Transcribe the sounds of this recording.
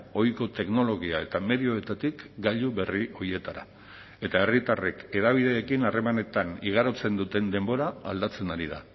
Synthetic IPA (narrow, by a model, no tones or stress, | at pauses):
o̞jko̞t̪e̞kno̞lo̞ɣiae̞t̪ame̞ðio̞e̞t̪at̪ikɡaʎuβe̞riʔo̞ɾie̞t̪aɾa̰ | e̞t̪ae̞rit̪are̞ke̞ðaβiðe̞ːkinare̞mane̞t̪aniɣ̞aɾot͡se̞nd̪ut̪e̞nd̪e̞mbo̞ɾa̰ːld̪at͡se̞naɾiða̰